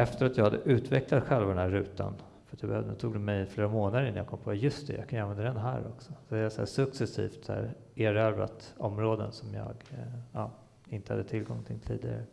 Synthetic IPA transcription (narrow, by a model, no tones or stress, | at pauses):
ɛft̪əɾat̪jɑɡhad̪ːəʔʉ̟ːt̪vɛklat̪ɧɛlvad̪ɛnæːɾːʉ̟ːt̪a̰n | fœɾat̪jaɑbɛhœvd̪ənːt̪ʰuːɡd̪ɛmɛjfleːɾamoːnad̪əɾɪnːajaɡkɔmːpʰɔjɵst̪d̪ɛ̰jɑ̰ɡkʰanjʏanvɛnd̪ad̪ɛnɦæːɾɔksɔsɔvaɾjasæ̰ːsɵksɛsḭːft̪æ̰ːɾ | eːɾɛvɾa̰t̪ɔmɾoːd̪ənsɔmjɑ̰ːɡɑː | ɪnt̪ə̥had̪ːət̪ʰɪlɡɔŋːt̪ʰɪlt̪ʰḭːd̪ɪɡa̰ɾə